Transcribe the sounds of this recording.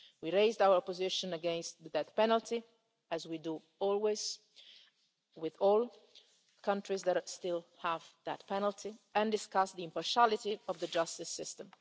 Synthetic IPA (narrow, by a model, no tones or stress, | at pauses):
wiɹeɪzd̪awəɹɔpɔzɪʃɔ̃nəɡɛ̃nst̪dəd̪ɛt̪pɛnəlt̪ʰi | æzwidu | ɔlwez̥ | wɪðɔl | kʰãntɾizðɛtst̪ɪlhævd̪ɛt̪pɛnəlt̪ʰiɛ̃nd̪ɪskasd̪iĩmpaɹʃalit̪iɔvðəd͡ʒast̪ɪsːɪst̪ə̃m